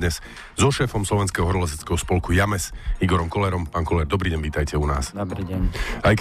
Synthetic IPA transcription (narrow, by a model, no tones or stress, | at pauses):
ɲɛz | zɔʃɛːfɔmslɔʋɛnskɛɦɔɦɾɔlɛs̬ɛt͡skɛɦɔspɔlkujamɛsiɡɔɾɔmkɔlɛɾɔmpaːŋkɔlɛɾd̪ɔbɾiːɟɛɲʋiːt̪ajcɛuna̰ːsdɾiajk